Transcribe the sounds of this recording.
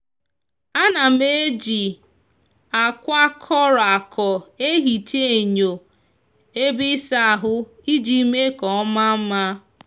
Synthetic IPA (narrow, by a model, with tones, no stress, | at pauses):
a˦na˨me˦d͡ʒi˨ | a˨kʷa˦kʰɔ˦ɾa˨kʰɔ˨e˦ɦi˨te˦e˨ɲo˨ | e˦bɪ˦sa˦a˨ɦʊ˦ | i˦d͡ʒi˨˦me˦kɔ˨ɔ˦ma˦m̩˦ma˦